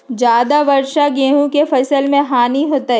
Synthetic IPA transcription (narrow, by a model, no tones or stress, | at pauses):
d͡ʒaːd̪aʋɐɾʃaɡeːɦũkefɐsəlmẽɦaːniɦoːt̪aɦɛ